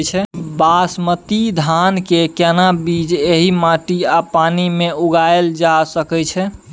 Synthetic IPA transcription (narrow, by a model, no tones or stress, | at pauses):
t͡ʃʰɛbasmət̪id̪ʱankekɛnabid͡ʒeɦimãʈiapanimeuɡaeld͡ʒasəkɛt͡ʃʰɛ